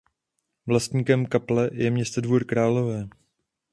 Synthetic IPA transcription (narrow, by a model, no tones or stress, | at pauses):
vlast̪ɲiːkɛmkaplɛjɛmɲɛst̪odvuːɾkɾaːlovɛː